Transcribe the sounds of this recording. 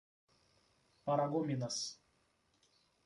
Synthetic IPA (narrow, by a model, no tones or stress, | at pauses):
pɐɾɐɡɔmʲinɐs